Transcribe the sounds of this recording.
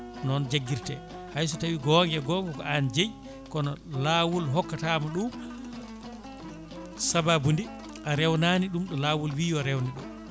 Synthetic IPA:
nɔnd͡ʒaɡːiɾtɛ̰ | hajs̬ɔtawiɡɔŋɡɛɡɔŋɡɛkɔand͡ʒej | kɔnɔlaːwulɦɔkːatamɔɗu | sababundi | ʔaɾɛwnaniɗumɗɔlawulwiːjɔɾɛwniɗṵm

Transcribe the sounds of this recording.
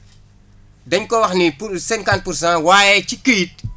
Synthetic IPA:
dɐɲkɔwɐxnipuɾsɛŋkant̚puɾs̬ãwaːjɛt͡ʃikət̚

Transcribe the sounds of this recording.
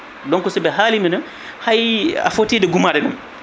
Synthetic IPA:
dɔŋkɔsibɛɦaːlimina | haja̰fotiːdɛɡumadɛɡam

